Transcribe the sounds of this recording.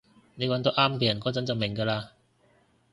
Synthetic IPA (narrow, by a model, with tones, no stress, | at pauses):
ne˨˧jwɐ˧˥nt̪o˥ʔaː˥mkeː˧jɐ˨˩nkɔː˨˥t͡sɐ˨˦˥nt͡sɐ˨˩wmɪ˨˩ŋkaː˧laː˧